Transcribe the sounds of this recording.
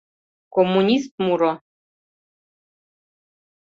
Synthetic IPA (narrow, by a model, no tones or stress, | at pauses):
komːunʲist̪̚muɾɔ